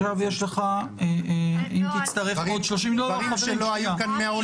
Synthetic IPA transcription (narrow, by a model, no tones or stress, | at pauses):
avjeʃleχa | eimt̪it͡st̪ɐʁefmod̪ʃlo̞ʃ̬imlolaeloajakanmeao